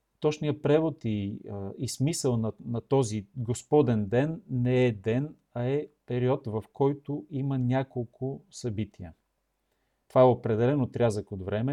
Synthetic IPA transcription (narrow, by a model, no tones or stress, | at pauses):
t̪ɔt͡ʃnijəpɾɛvot̪iismisəlˠnɐnɐt̪ɔziɡospɔd̪ɛnd̪ɛnːɛɛd̪ɛn | ɐɛpɛɾiɔt̪vɐfkʰɔjt̪ʊimɐnʲakolˠkʰʊsɐbit̪ʰiə | t̪ovaɛopɾɛd̪ɛlɛnot̪ɾʲazəkod̪vɾɛmɛ